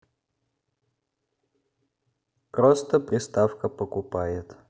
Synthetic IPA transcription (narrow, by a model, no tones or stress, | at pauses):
pɾost̪əpɾʲɪst̪afkəpəkʊpajɪt̪